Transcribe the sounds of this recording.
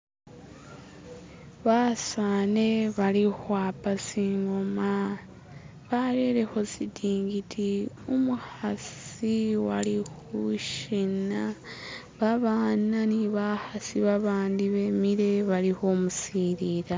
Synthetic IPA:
βasane̞βalihwaːpasiŋɡoma | βaɾeɾe̞ho̞zidiːŋɡitʰi | omuhasiwalih | uʃina | βaβaːnaniβahasiβaβaːndiβemiɾe̞βaliho̞musiɾiːɾa

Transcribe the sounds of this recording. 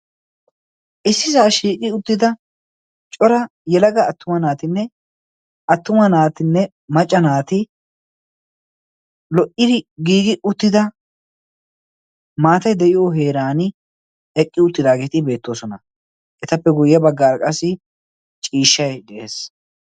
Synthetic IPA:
ʔɪsːɪzaːʃiːkʼɪʊt̪ːɪd̪ɐ | t͡ʃʼɔɾɐ | jɛlɐɡɐːt̪ːʊmɐnaːt̪ɪnːɛ | ʔɐt̪ːʊmɐnaːt̪ɪnːɛ | mɐt͡ʃʼːɐnaːt̪ɪ | lɔʔɪd̪ɪɡiːɡɪʔʊt̪ːɪd̪ɐ | maːt̪ɐjd̪ɛʔɪjoɦe̞ːɾaːnɪ | ɛkʼːɪʊt̪ːɪd̪aːɡeːt̪ɪbe̞ːt̪ːo̞ːsɔnɐ | ʔɛt̪ɐpːɛɡʊjːɐbɐɡːaːɾɐkʼɐsːɪ | t͡ʃʼiːʃːɐjd̪ɛʔe̞̰ːs

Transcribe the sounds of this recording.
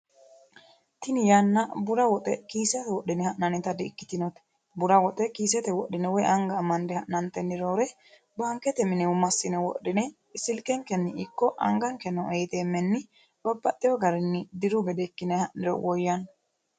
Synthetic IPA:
t̪ɪnɪjaːnːɐbʊɾɐwɔt̪ʼɛkiːsɛt̪ɛwɔɗːɪnɛhɐʔnɐnɪt̪ɐd̪ɪːkːɪ̥t̪ɪnɔt̪ɛ̥ | bʊɾɐwɔt̪ʼɛkiːsɛt̪ɛwɔɗːɪnɛwɔjɐŋɡɐːmːɐnd̪ɛhɐʔnɐnt̪ɛnːɪɾoːɾɛ | baŋkːɛt̪ɛmɪnɛʊmɐsːɪnɛwɔ̰ʔːɪnɛ | ɪsɪlkɛŋkɛnːɪɪkːɔʔɐ̰ŋɡɐŋkɛnɔʔɛjt̪eːmːɛnːɪ | bɐbːɐt̪ʼːɪjɔɡɐɾɛnːɪd̪ɪɾʊɡɛd̪ɛkːɪnɛhɐʔnɪɾɔ̰wɔjːɐn

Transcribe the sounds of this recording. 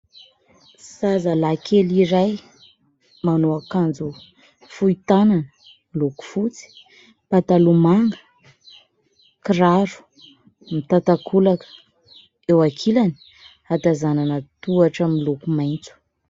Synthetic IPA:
sazalakʰeliɾaj | manoakand͡zu | fuit̪ananə | iluku̥fut͡si̥ | pat̪alumaŋɡə | kiraɾu̥ | mit̪at̪akʰulakə̥ | ewakʰilani̥ | at̪azananət̪uaʈ͡ʂamilukumajnt͡su̥

